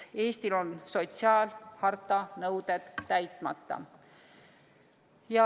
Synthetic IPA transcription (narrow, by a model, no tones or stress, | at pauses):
e̞ːst̪ilo̞nso̞t̪siɑːlhɑrt̪ːˑɑnɤwd̪̥ed̪̥ːæjt̪ˑmɑ̰t̪ːˑɑ̰ | jɑ